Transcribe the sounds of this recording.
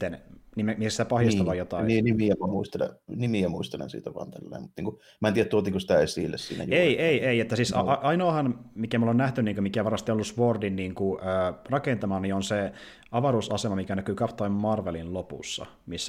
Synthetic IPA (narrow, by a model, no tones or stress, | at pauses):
t̪ːennimemiæsi̥t̪æpɑhjɑsst̪ɑʋɑjjot̪ɑniːnimiæmæmuist̪elḛnimiæmuist̪elḛnsḭːt̪æʋɑ̰nt̪ælːḛːmut̪niːŋku | mæent̪iːæt̪uot̪iːŋkosi̥t̪æesḭˑlːḛssḭːnæ̰jueeiʔeieiet̪ːæsiːsɑ̰ʔɑinoːhɑnmikæmolːonæht̪ynniːŋkømikæʋɑrmɑst̪ionolːusʋordinːiːŋkuøːrɑkent̪ɑmɑnionse | ɑʋɑɾusɑsemɑmikænækyːkɑpt̪oimmɑrʋelinlopṵsːɑ̰ | misː